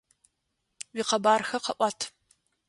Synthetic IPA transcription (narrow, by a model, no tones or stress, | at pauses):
wiːqɐbaːrxɐqɐʔʷɑːtʰ